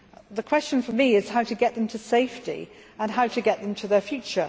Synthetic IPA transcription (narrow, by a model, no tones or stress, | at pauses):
ðəkʰw̥ɛst͡ʃə̃nfəmiɪz̥haʊtɨɡɛʔ̪̚ðə̃mtʰəseɪftḭ | ə̃nɦaʊtʰɨɡɛʔ̪̚ðə̃mtʰəðəfjʉˑt͡ʃə